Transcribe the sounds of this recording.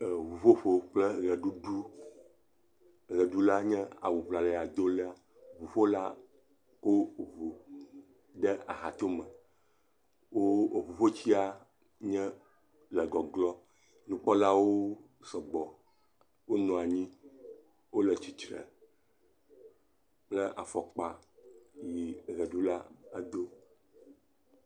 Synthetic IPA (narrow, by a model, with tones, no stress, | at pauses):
vu˨ɸo˦ɸo˦k͡plɛ˦ɣɛ˨ɖu˦ɖu˦ | ɣɛ˨ɖu˦la˦ɲɛ̃˦a̰˨wu˨vla˨lɛ˨a˨d̪o˦lɛ˦a˦ | vu˨ɸo˦la̰˦ | wo˦vu˨ | ɖɛ˦a̰˨ɦa̰˨t̪o˦mɛ̃˨ | wo˦˨βu˨ɸo˦t͡ɕi˦a˦ | ɲɛ̃˦ | lɛ˨ɡɔ˨ɡlɔ˦ | nũ˨k͡pɔ˦la˦wo˦ | sɔ˨ɡ͡bɔ˨ | wo˦nɔ̃˨a˨ɲĩ˦ | wo˦lɛ˨t͡ɕi˨t̪ɾɛ̰˨ | k͡plɛ˦ʔa̰˨fɔ˨k͡pa˦ | ji˨ɣɛ˨ɖo˦la̰˦a˨d̪o˦